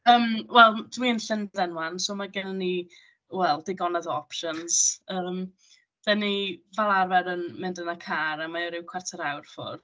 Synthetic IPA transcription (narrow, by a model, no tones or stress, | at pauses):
əːmwɛlˠdwiənɬɪndðɛnwansoːmaɡɛnəni | wɛlˠdɪɡɔnaðɔpʃənsəːm | ð̥ɛnivalˠarvɛɾənmɪndənakʰaːɾamajɔɾɪwkʰwartʰəɾawrfʊ̰r